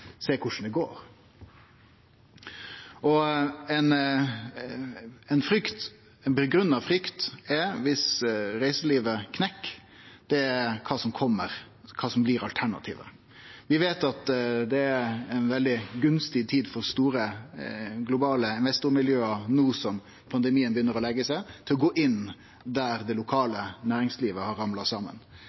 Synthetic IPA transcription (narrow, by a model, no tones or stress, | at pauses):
seːkʰʊʂn̩d̪ɛɡo̰ːɾ | ʔɔɛn | ɛnfɾʏkt̪ | ɛnpɛɡɾʉnːɑfɾʏkt̪ɛɾʋɪsɾæɪsəliːʋəkʰnɛkː | d̪̥ɛæɾkʰɑːsɔmkʰɔmːəɾ | kʰɑːsɔmblɪɾɑlt̪ʰæɳɑ̰t̪ʰḭːʋə̰ | ʋɪʋeːt̪ɑt̪d̪ɛæɛnʋɛld̪ɪɡʉnst̪ɪt̪ʰiːd̪fɔɾst̪uːɾə | ɡlʊbɑːləɪnʋɛst̪ʊɾmɪljøːɑnuːsɔm | pʰɑnd̪ɛmiːənbəjʏnːəɾɔlɛɡːəsæɪt̪ʰɪlɔɡoːʔɪn | d̪æɾd̪ɛlʊkʰɑːlənæːɾɪŋsliːʋəhɑɾɑmlɑsɑːmə̰n